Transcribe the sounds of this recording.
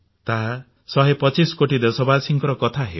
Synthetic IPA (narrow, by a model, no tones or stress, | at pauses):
t̪aɦa | sɔɦepɔt͡ʃiskoʈid̪esɔbasiŋkɔɾɔkɔt̪ʰaɦḛ